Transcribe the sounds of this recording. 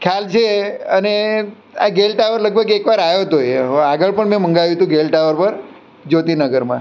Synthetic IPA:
kʰjalt͡ʃʰeəne | a̰ɡelʈaʋəɾləɡ̚bʱəɡekʋaɾajot̪oeɦoaɡəɭpəɳmɛ̃mə̃ŋɡaʋjũt̪ũɡelʈaʋəɾpəɾ | d͡ʒot̪inəɡəɾmã̰

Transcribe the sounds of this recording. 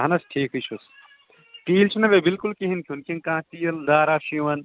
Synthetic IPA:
ɦɐnɐsʈʰiːkɦɨt͡ʃʰus | ʈ̪iːlt͡ʃʰnɐbebilkulkiɦinkʰʲunkʲinkãːt̪iːjɐld̪aːɾaːʃiʋɐn

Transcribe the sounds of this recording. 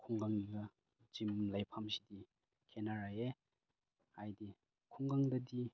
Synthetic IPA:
kʰuŋɡaŋiɡɐ | z̥imlajpʰamsidi | kʰenaɾae | ajdi | kʰuŋɡaŋdɐdi

